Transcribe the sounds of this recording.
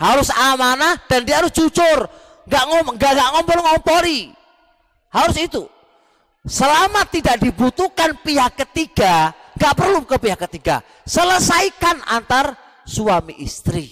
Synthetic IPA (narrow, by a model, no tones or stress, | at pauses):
haɾʊsamanad̥andiaɦaɾʊsd͡ʒut͡ʃʊr | ŋɡaʔŋɔŋɡaʔŋɡaʔŋɔmpɔɾiŋɔmpɔɾi | haɾʊsit̪u | səlamat̪ːidaʔdibut̪ukanpiɦakːət̪iɡaŋɡaʔpərlukəpiɦakːət̪iɡa̰ | sələsaikana̰nt̪ar | suamiʔḭst̪ɾi